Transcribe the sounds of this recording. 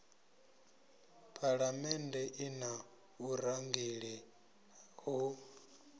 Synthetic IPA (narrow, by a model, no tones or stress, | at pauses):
pʼʰaɺamɛndɛʔina | uɾaŋɡiɺɛ | ɦu